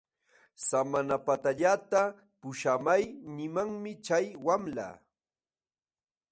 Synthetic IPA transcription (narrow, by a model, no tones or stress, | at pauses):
samanapat̪aʎat̪a | pʊʃamajnɪmaŋmɪt͡ʃajwamla̰